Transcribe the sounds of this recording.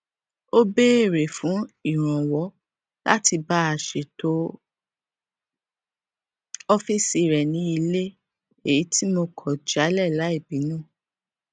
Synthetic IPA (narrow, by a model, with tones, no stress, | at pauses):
o˦be˦˨ɾe˨fũ˨˦i˦˨ɾ̃ã˨wɔ˨˦ | la̰˦ti˧ba˦a˦˨ʃe˨to˨˦ | ɔ˦fi˦si˧˨ɾɛ˨nĩ˨˦i˧le˦ | e˨i˨˦tʰi˦mo˧kʰɔ˨d͡ʒa˨˦lɛ˦˨la˨˦i˦˨bi˨˦nũː˦˨